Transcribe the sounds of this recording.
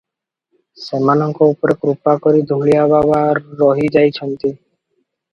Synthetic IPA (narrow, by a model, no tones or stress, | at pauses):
sɛmanɔŋkoupoɾekɾupːakoɾid̪ʱuɭijababaɾːɔɦid͡ʑajt͡ɕʰɔnt̪i